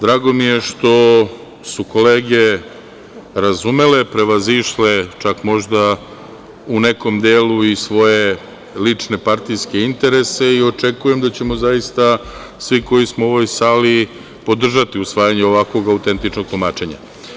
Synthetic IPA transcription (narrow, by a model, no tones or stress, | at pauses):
d̪ɾaːɡo̞mije̞ʃt̪o̞ | suko̞leːɡe̞ | ɾazume̞le̞pɾe̞ʋaziʃle̞t͡ʃakmo̞ʒd̪a | une̞ko̞md̪eːluisʋo̞je̞ | lit͡ʂne̞paɾt̪ijske̞int̪e̞ɾe̞se̞io̞t͡ʃe̞kuje̞md̪at͡ɕe̞mo̞zajist̪a | sʋiko̞jismoo̞ʋo̞jsaːli | po̞d̪r̩ʒat̪iusʋaːjaɲeo̞ʋakʋo̞ɡaut̪e̞nt̪it͡ʃnoɡ̚t̪lumaːt͡ʃe̞ɲa̰